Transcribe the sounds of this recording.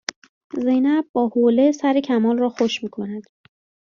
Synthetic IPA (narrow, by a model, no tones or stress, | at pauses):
ze̞jnæbːɒːhole̞sæɾecʰæmɒːlrɒːxoʃmiːkʰo̞næd̪̥